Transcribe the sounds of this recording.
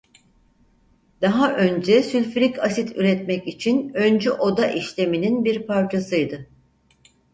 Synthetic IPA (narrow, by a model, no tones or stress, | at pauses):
d̪̥aɦaʔønd͡ʒɛsylʲfɾicʰasit̪ʰyɾɛt̪mɛcit͡ʃʰinønd͡ʒɛʔo̞d̪aʔiʃlʲe̞mininbiɾpʰaɾt͡ʃʰasɯjd̪ɯ